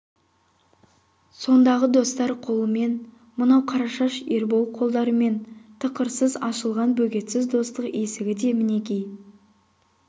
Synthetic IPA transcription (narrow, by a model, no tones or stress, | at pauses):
so̞nd̪ɑʁəd̪o̞st̪ɑɾqʰo̞lˠəme̞n | mʊnɑwqʰɑɾɑʃɑʃeɾbo̞lˠqʰo̞lˠd̪ɑɾəme̞nt̪ʰəqəɾsəzɑʃəlˠʁɑnbɵkʲe̞t̪sɪzd̪o̞st̪əqe̞sɪɡʲɪd̪e̞mɪne̞kʲe̞j